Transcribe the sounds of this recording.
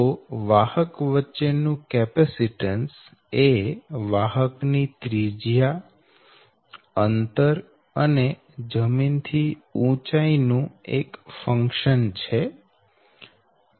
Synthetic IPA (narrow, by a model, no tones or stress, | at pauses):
oʋahəkʋətːʃenũkɛpɛsiʈəns | eʋaɦəknit̪ɾid͡ʒja | ənt̪əɾ | əne | d͡ʒəmint̪ʰiũt͡ʃainũḛkfəŋkʃənt͡ʃʰe